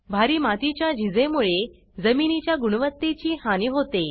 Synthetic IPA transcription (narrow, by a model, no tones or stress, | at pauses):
bʱaɾiːmat̪it͡ɕjad͡ʑʱid͡zemuɭe | d͡zəminit͡ɕjaɡuɽʋət̪ːet͡ɕiːhaniɦot̪e